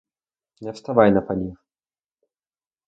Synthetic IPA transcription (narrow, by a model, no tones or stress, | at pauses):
nʲɛfst̪avajnɐpanʲix